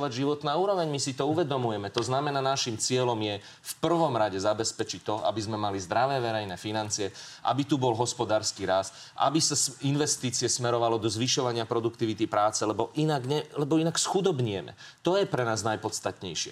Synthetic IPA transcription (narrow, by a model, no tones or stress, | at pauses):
ʋaɟʒiʋɔt̪naːuːɾɔʋɛɲmisit̪ɔuʋɛd̪ɔmujɛmɛt̪ɔznamɛnaːnaʃimt͡sɪɛlɔmjɛ | fpr̩ʋɔmɾaɟɛzabɛspɛt͡ʃict̪ɔʔa̰bizmɛmalizd̪ɾaʋɛːʋɛɾɛjnɛːfinant͡siɛʔa̰bit̪ubɔlɦɔspɔd̪aːɾskiɾas | ʔa̰bisasinʋɛst̪iːt͡siɛsmɛɾɔʋalɔd̪ɔzʋiʃɔʋaɲɪapɾɔd̪ukt̪iʋit̪ipɾaːt͡sɛlɛbɔʔinaɡɲɛlɛbɔinaksxud̪ɔbɲɪɛmɛ̰ | t̪ɔjɛpɾɛnaːznajpɔt̪st̪at̪ɲɛ̰jʃɪɛ̰